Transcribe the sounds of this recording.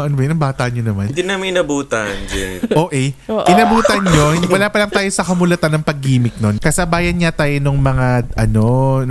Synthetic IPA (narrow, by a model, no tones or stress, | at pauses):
ɐʔɐnobɐjʊnɐŋbaːt̪aʔɲonɐma̰nd͡ʒ̪inamɐŋɪnɐbuːt̪ɐnd͡ʒɛʔoːʔɛjʔɪnɐbuːt̪ɐnjowɐlaːpɐlɐŋt̪aːjo̞sɐkɐmʊlɐt̪anːɐŋpɐɡ̚ːiːmɪk̚nonkɐsɐbaːjɐnɲat̪aːjonoŋmɐŋaʔɐno̞n